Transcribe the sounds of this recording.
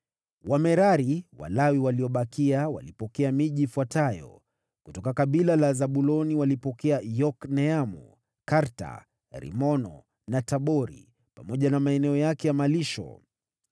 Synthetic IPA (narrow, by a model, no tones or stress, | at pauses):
wamɛɾaɾiwa̰lawiwaliɔɓakiawa̰lipɔkɛamiʄiːfwatajɔ̰ | kutɔkakaɓilalazaɓulɔniwalipɔkɛajɔknɛamu | kaɾta̰ | ɾḭmɔnɔ̰ | nataɓɔɾḭ | pamɔʄanamaɛnɛɔjakɛjamaliʃɔ̰